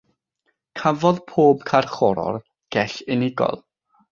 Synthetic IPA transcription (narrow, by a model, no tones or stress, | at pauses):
kʰavɔðpʰoːbkʰarχɔɾɔ̰r | ɡ̥ɛɬɪnɪɡɔ̰lˠ